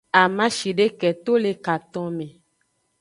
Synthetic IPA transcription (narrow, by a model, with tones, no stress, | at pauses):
a˨mã˦ʃi˨ɖe˦kɛ˨t̪o˦le˨ka˨t̪ɔ̃˦mẽ˨